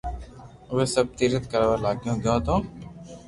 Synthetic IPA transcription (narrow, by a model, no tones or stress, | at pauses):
ʋeːsəb̚t̪iːɾət̪kəɾaːʋalaːkjõɡõːt̪õː